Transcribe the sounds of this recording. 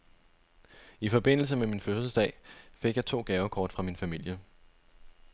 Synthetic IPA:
ifɒ̽b̥e̝n̰l̩səmeminføssəsd̥ɛ̰ɪfe̝ɡ̥jɑ̈ɪt͡sʰo̝̰ːɡ̥ɛːʊəkʰɒːd̥fʁɑ̈minfæmil̰jə

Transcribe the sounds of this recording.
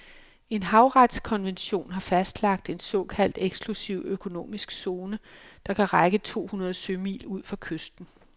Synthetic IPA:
e̝nɦɑ̈ʊʁad̥skʰɒ̽nʋenɕo̝̰ːnɦɑ̈fæsd̥lɑ̈ɡ̥̚d̥e̝nsɒ̽ːkʰæl̰d̥eɡ̥sɡ̥lusiʊ̰økʰo̝no̝̰ːmisɡ̥so̝ːnəd̥ɑ̈kʰæʁaɡ̥ət͡sʰo̝̰ːhunɐðˠsømḭːluð̞̰ˠfɑ̈kʰøsd̥n̩

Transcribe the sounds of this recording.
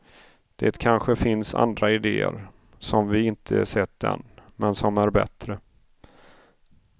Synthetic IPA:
d̪̥ḛːt̪kʰanɧəfɪnsa̰nd̪ɾaɪd̪eːə̰ɾ | sɔmvɪɪnt̪ʰəsɛt̪̚ːd̪ɛ̰nmɛnsɔmæɾbɛ̰t̪ɾə

